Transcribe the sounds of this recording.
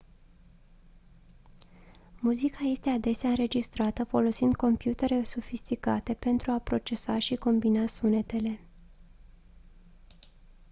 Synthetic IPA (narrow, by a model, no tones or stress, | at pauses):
muzikaje̞st̪e̞ad̪e̞seaɨnɾe̞d͡ʒist̪ɾat̪əfo̞lo̞sind̪̚ko̞mpjut̪e̞ɾe̞sofist̪ika̰t̪e̞pe̞nt̪ɾuapɾo̞t͡ʃe̞saʃiko̞mbinasune̞t̪e̞le̞